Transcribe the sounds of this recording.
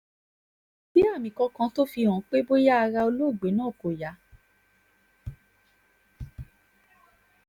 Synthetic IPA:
bi˦a˦˨mĩ˨kɔ̃˧kã˧to˦fi˧ɔ̃˨˦k͡pe˦bo˦ja˦a˧ɾa˧o˧lo˦˨ɡ͡be˨˦nãː˦˨ko˨ja˨˦

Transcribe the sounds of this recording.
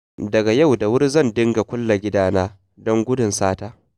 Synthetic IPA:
dɐ˨ɡa˨ja˦˨wda˨wʊ˦rzɐ˦˨ndɪ˦ŋɡa˨kʷʊ˦lːa˨ɡʲɪ˦daː˦naː˦ | dɔ˦ŋɡʷʊ˦dʊ˨nsaː˦taː˦

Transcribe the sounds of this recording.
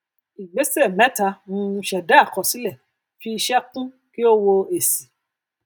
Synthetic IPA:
i˨ɡ͡be˨˦se˦˨mɛ̃˨˦ta˧mũ˧˦˧ʃɛ˨da˦a˦˨kɔ˨si˨˦lɛ˦˨ | fi˧i˧ʃɛ˦tũ˦ | ki˦o˦wo˧e˨si˨

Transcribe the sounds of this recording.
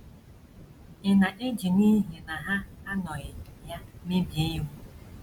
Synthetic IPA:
ɪ˨na˨ʔɪ˦d͡ʒi˨niː˦ɦi˨na˨ɦa˦a˦nɔ˨ɣɪ˨ja˦mɪ˦bje˦u˦

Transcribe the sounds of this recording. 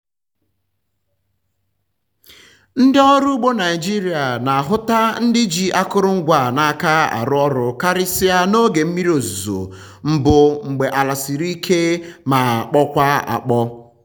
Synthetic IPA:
n̩˦dɪ˦ɔ˦ɾu˦ɡ͡bo˦na˨ɪ˨d͡ʒi˦ɾi˨a˨na˨a˨ɦʊ˦ta˦n̩˦dɪ˦d͡ʒi˨ʔa˦kʊ˦ɾʊ˦ŋ̩˦ɡʷa˨na˨a˦˨ka˦a̰˨ɾʊ˦ɔ˦ɾʊ˨ka˦ɾɪ˦si˦a˦no˦ɡe˨m̩˦mi˦ɾo˨zu˨zo̰˨ | m̩˦bʊ˦ŋ͡m̩˨ɡ͡be˨ʔa˨la˨si˨ɾi˦kʰe˦ma˨k͡pɔ˦kʷa˦a̰˨k͡pɔ˦

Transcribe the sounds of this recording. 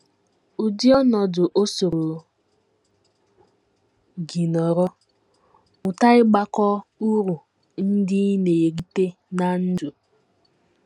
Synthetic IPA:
u˨di˦ɔ˦nɔ˨dʊ˨ʔo˦so˨ɾo˨ | ɡi˨nɔ˨ɾɔ˦ | ʊ˨ta˦ɪ˦ɡ͡ba˦kɔ˦u˦ɾu˨ | n̩˦dɪ˦ne˨je˨ɡi˦te˦ | na˦n̩˦d͡ʒu˨

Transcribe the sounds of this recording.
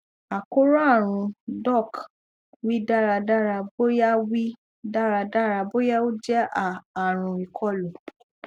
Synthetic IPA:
a˨ko˦ɾa˦˨ɾ̃ũ˧dɔ˦˨k | wi˦da˦˨ɾa˧da˦ɾa˧bo˦ja˦wi˦ | da˦ɾa˧da˦˨ɾa˧bo˦ja˦o˦d͡ʒɛ˦aː˦˨ɾ̃ũ˨i˨kʰɔ˦lũ˨

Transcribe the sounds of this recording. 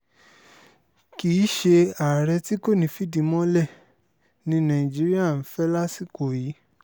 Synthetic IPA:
ki˨˦ʃe˧a˨ɾɛ˧ti˦ko˦˨nĩ˨˦fi˦dĩ˨˧mɔ̃˦lɛ˦˨ | nĩ˧nã˨ĩ˨d͡ʒi˦ɾi˦a˦˨n̩˦fɛ˦la˦si˦˨ko˨ji˨˦

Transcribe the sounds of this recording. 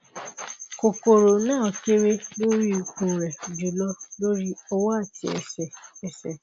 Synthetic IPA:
ko˨ko˨ɾo˨nãː˦˨ɔ˨ke˦ɾe˦lo˦ɾi˦˨ko˨ɾɛ˨d͡ʒu˨lɔ˦lo˦ɾi˦ɔ˦wa˦a˦˨ti˧ɛ̰˨sɛ˨ɛ˨sɛ˨

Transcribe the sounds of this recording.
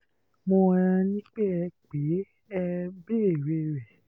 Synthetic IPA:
mo˧a˧ã˧nĩ˦k͡pe˦ɛ˧k͡pe˨˦ | ɛ˧be˦e˦˨ɾe˧ɾɛ˨

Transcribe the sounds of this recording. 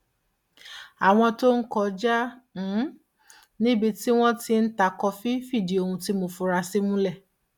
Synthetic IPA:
a˨w̃ɔ̃˧to˦n̩˦kɔ˧d͡ʒa˦ñ̩˨˦ | nĩ˦bi˧ti˦w̃ɔ̃˦ti˧n̩˦ta˧˨kɔ˧fi˦fi˦˨di˨o˨˧hũ˧ti˦mo˧fu˧ɾa˧si˦mũ˦lɛ˦˨

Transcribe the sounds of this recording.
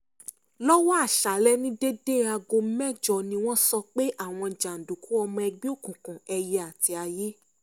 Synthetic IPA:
lɔ˦wɔ˦a˦˨ʃa˨lɛ˦nĩ˦de˦de˦˨a˧ɡo˧˦mɛ˦˨d͡ʒɔ˨nĩ˧w̃ɔ̃˦sɔ˧k͡pe˦ʔa˦˨w̃ɔ̃˧˨d͡ʒa˨n̩˨du˨ku˨˦ɔ˧mɔ̃˧ɛ˧ɡ͡bĩ˦o˦˨kũ˨kũ˨ɛ˧je˧a˨ti˧a˧je˦

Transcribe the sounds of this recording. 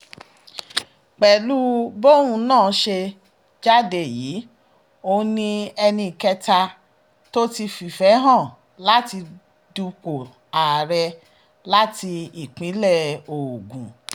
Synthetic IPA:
k͡pɛ˨lu˦bo˦ɾũ˧nãː˦˨˦ʃe˧ | d͡ʒa˦de˧˨jiː˨˦ | o˧nĩ˧ɛ˧nĩ˧˨kɛ˧ta˧ | to˦ti˧fi˨fɛ˨˦ɦã˦˨ | la˦ti˧ | du˧k͡po˨ | a˨ɾɛ˧ | la˦ti˧i˨k͡pĩ˨˦lɛ˦˨o˨ɡũ˨

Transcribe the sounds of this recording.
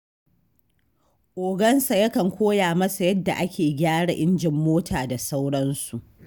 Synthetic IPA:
ʔoː˨ɡɐ˦nsa˨jɐ˦kɐ˨ŋkʷoː˦jaː˨mɐ˦sa˨jɐ˦dːa̰˨ʔa˦kʲeː˨ɡʲaː˦ɽa˨ʔɪ˦nd͡ʒɪ˨mːoː˦tʰaː˨da˨sa˦wɽɐ˦nsu˨ʔ

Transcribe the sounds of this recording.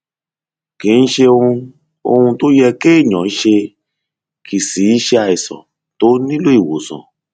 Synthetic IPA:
kĩ˨˦n̩˦ʃe˧o˧ũ˧ | o̰˧hũ˧to˦jɛ˧keː˦˨ɲɔ̃˨˦ʃe˧ | kʰi˨si˨˦i˦ʃe˧a˧˨i˨sɔ̰̃˨ | to˨˦nĩ˦lo˦i˨wo˨sɔ̰̃˨

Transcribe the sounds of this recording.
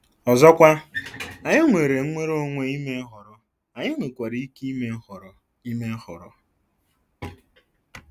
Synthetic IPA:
ɔ˨zɔ˦kʷa˦a˨ɲɪ˦ŋʷe˨ɾe˨ŋ͡m̩˦ŋʷe˦ɾo˦ŋʷe˨i˦me˦ɦɔ˨ɾɔ˨ | a˨ɲɪ˦ŋʷe˨kʷa˨ɾi˦i˦ki˦me˦hɔ˨ɾ | i˦me˦hɔ˨ɾɔ˨

